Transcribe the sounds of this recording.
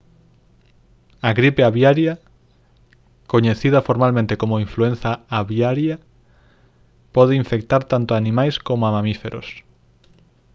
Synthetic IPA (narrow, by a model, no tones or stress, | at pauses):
aɣɾipeaβjaɾjɐ | koɲeθiðɐfoɾmalmẽnt̪ekomoiɱfluen̟θaaβjaɾja | pɔðeiɱfek̚t̪aɾt̪ant̪ʊaːnĩmajskomoamãmifeɾʔo̰s